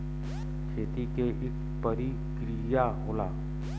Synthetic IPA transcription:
kʰeːt̪ikeʔɪk | pəɾi | kɾijaɦolaː

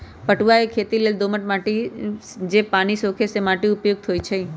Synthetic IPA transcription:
pəʈʋaekʰet̪ileld̪oməʈmaʈi | d͡ʒepañisokʰesemaʈeʊpjoɡ̚t̪ʰojt͡ʃʰe

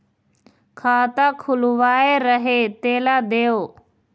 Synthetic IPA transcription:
kʰaːt̪akʰʊlʋaːeɾəɦet̪eːlaːd̪eːoː

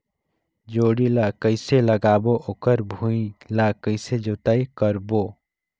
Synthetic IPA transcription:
d͡ʒoɽilakəɪseləɡaːboʔokəɾbʱũilakəɪsed͡ʒot̪aikəɾbo

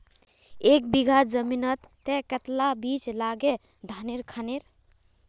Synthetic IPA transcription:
ek̚biɡʱad͡ʒəminət̪ːɛkət̪labit͡ʃlaɡe | d̪ʱaneɾkʰəneɾ

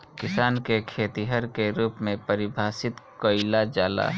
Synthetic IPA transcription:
kɪsaːnkekʰeːt̪iɦəɾkeɾuːpmẽpəɾɪbʱaːsɪt̪koɪlad͡ʒaːla̰ː

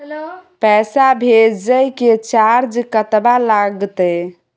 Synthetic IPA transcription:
pɛsabʱed͡ʒəjket͡ʃaɾd͡ʒkət̪balaɡt̪ə

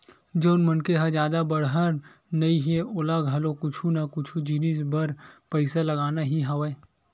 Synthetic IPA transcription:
d͡ʒoːnmənkeɦãd͡ʒjaːd̪abəɽɦəɾnɐiɦeʊlaɡʱɐlokʊt͡ʃʰunakʊt͡ʃʰud͡ʒiːnisbəɾpəɪsalɐɡaːnaɦiɦɐʋə

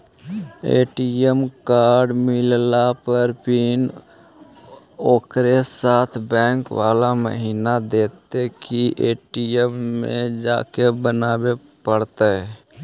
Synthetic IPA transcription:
ḛːʈiəmkaːɾɖmɪllapəɾpin | oːkɾesaːt̪ʰbɛ̃ːŋkʋaːlamə̰ɦiːnad̪eːt̪ekiʔeːʈijəmːẽd͡ʒa̰ːkebənaːbepəɽt̪əɛ

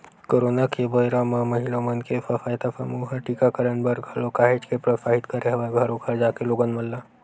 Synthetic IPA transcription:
koːɾoːnakebojɾamamɐɦilõmənkefɐfaːjt̪afɐmuːɦaʈiːkakəɾənbəɾɡʱɐlokaːɦed͡ʒkepɾɐsaːɦɪt̪kɐɾeɦɐʋaɡʱɐɾõkɐɾd͡ʒaːkeloːɡənmɐlːa

